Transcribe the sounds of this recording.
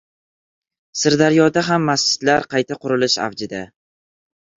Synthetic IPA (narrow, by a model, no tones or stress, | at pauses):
sɪɾd̪aɾjɒd̪aɦamːasd͡ʒɪ̥t̪laɾqʰɑjt̪ʰaqʊɾɪlɪʃa̰vd͡ʒɪd̪a